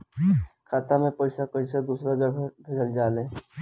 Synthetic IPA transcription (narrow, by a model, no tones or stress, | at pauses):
kʰaːt̪amẽpɔɪsapɔɪsad̪uːsɾad͡ʒbʱɪɡəld͡ʒaːleː